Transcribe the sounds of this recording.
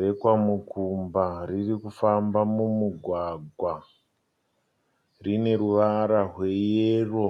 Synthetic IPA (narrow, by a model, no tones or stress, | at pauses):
ekwamukʰumbaririkufambamumuɡʱwaɡʱwa | rine̞ɾuʋaɾaɦwe̞jeːro̞